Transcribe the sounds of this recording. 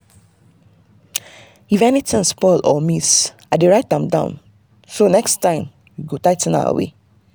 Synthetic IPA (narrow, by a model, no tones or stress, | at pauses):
ifɛnitɪ̃nspɔlʔɔmis | adeɹaɪtãmdã̰ʊ̃n | sonɛkstãɪ̃m | jiɡotaɪtə̃na̰ʊə̰wḛ